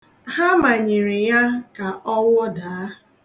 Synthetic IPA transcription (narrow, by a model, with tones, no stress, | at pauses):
ha˦ma˨ɲi˨ɾi˨ja˦ka˨ʔɔ˦wʊ˦daː˨a˦